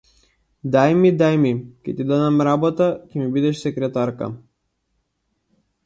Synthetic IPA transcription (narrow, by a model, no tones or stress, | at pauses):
d̪ajmid̪ajmicʲɛt̪id̪ɔd̪amɾabɔt̪acʲɛmibid̪ɛʃsɛkɾɛt̪aɾka̰